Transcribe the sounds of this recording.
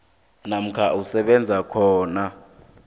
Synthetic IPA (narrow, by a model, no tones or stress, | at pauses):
nam̩kʰaʔusɛɓɛnd͡zʱakʰɔːna